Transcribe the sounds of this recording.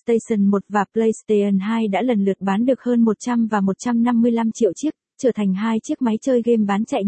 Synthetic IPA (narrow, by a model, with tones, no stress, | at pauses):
st̪ə˧jsə˨˩nmo˨˩t̚vaː˨˩plə˧jst̪e˧ʔə˨˩nɦaː˧jɗa̰ː˧˥lə˨˩nlɨ˨˩ək̚ɓaː˨˦nɗɨ˨˩ək̚həː˧nmo˨˩t̚t͡ɕa˧mvaː˨˩mo˨˩t̚t͡ɕa˧mna˧mːɨ˧əjla˧mt͡ɕḭ˧ə˨wt͡ɕi˦˥ək̚t͡ɕəː˧˩t̪ʰa˨˩jŋ̟ɦaː˧jt͡ɕi˦˥ək̚ma˨˦jt͡ɕəː˧jɣe˧mɓaː˨˦nt͡ɕa̰˧˨j